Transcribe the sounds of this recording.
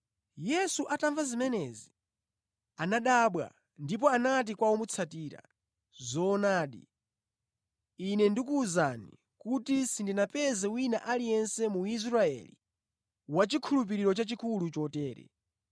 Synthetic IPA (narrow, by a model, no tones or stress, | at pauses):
jɛsuʔataɱvazimɛnɛzi | anaɗaɓwa̰ | ndip̬ɔanat̬ikwaɔmut͡sʰatiːɾa̰ | zɔnaːɗḭ | inɛndikuːzani | kutisindinapɛzɛwinaʔalijɛnsɛmuiz̬ɾaɛ̰lḭ | wat͡ʃikʰulup̬iɾiɾɔt͡ʃat͡ʃikulut͡ʃɔtɛːɾɛ̰